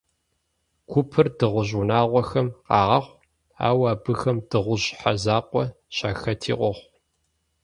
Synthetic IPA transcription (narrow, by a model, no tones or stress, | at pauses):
kʷʰʊpʰɨrdɨʁʷʊʑunaːʁʷɔxɐmqɑːʁɐχʷ | a̰ːwaːbɨxɐmd̥ɨʁʷʊʑħazaːqʷʼɔ | ɕaːxɐtʰḭːqʷɔχʷ